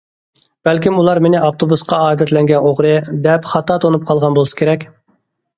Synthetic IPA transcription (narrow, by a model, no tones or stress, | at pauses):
b̥ɛlkʲimulˠɑɾmenɪɑft̪ʰobusqɑɑːd̪ɛt̪lɛŋɡʲɛnoʁɾɨd̪ɛpχɑt̪ʰɑːt̪ʰonup̚qʰɑlˠʁɑnbolˠɨsɨ̥kʲʰeɾɛkʲ